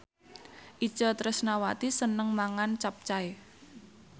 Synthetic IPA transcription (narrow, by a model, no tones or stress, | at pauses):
ʔi̥t͡ʃɔt̪ɾəsnawat̪isənəŋmaŋant͡ʃap̚t͡ʃae